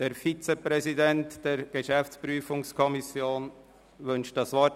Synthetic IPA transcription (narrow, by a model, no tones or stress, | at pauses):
d̥eːɾfit͡sepɾɛsidɛntd̥ɛːɾɡ̥eʃæft͡spɾyːfʊŋskʰɔmisjoːn | ʋʏnʃtdɑsʋɑ